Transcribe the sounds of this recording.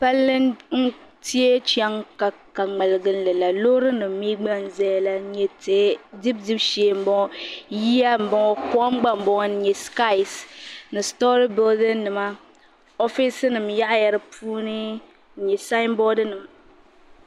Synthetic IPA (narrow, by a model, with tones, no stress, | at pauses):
pa˦lːɨ˦nn̩˦ | ti˦e˦t͡ʃɛ˦ŋka˨ | ka˨ŋ͡mɛ˨lɨ˨ɡɨ˨n˨lɨ˨la˨lo˦ɾɨ˦nɨ˨m˦mi˦ɡ͡ba˦n˨zɛ˦jla˨˦ɲɛ˨tːdi˦b̚di˦bʃɛ˨m̩˦bɔ˦ŋɔ˦ji˦a˦m̩˨bɔ˦ɔ˦kɔ˦ŋ͡mɡ͡ba˦m̩˨bɔ˦ŋ˦˨ɲɛ˨ska˦ɪ˨snɨ˨stɔ˦ɾi˦bɪ˦ldɨ˦nːɨ˨ma˦ | ɔ˦fi˦sɨ˦nɨ˨mja˦ʔja˨ɾɨ˦pʰuː˦nɨ˦˨ | ɲɛ˨sa˦ɪ˦mbɔ˦dɨ˦nɨ˨m˨